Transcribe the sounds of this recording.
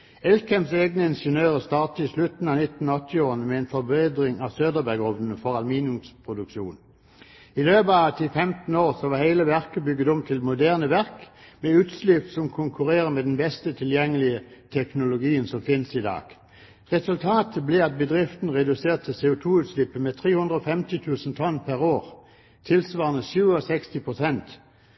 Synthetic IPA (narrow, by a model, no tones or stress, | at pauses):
ɛlkɛmseːɡnəɪnʂənøːʁəst̪ɑːʁt̪əɪslʉt̪n̩ɑːnɪt̪n̩ɔt̪ʰːɪoːʁənəmɛeːnfɔʁbeːd̪ʁɪŋɑːʋsøːd̪əbæɡɔʋnn̩əfɔʁɑlmiːnʉmspʰʁʊd̪ʉkʃṵːn | ɪløːbəɑt̪ʰɪfɛmt̪n̩oːʁsɔʋɑːhæɪləʋæʁkəbʏɡːət̪ɔmt̪ʰɪlmʊd̪æːʁnəʋæʁkmeʉːt̪slɪpt̪sɔmkʰʊŋkʰʉʁeːʁəmeːd̪ɛnbɛst̪ət̪ʰɪljɛŋːəlɪət̪ʰɛknʊlʊɡiːənsɔmfɪnəsɪd̪ɑ̰ːɡ̥ | ʁɛsʉlt̪ʰɑːt̪ʰəblɪɑt̪̚bəd̪ʁɪft̪n̩ʁɛd̪ʉseːʁt̪ʰːɪlseːʊt̪ʰuːʉːt̪slɪpːəmet̪ʰʁeːhʉnd̪ʁəɔːfɛmt̪ɪt̪ʰʉːsnt̪ʰɔnpʰæʁoːʁ | t̪ʰɪlsʋɑːʁənəsʉːəɔsɛkst̪ɪpʰʁʊsɛnt̪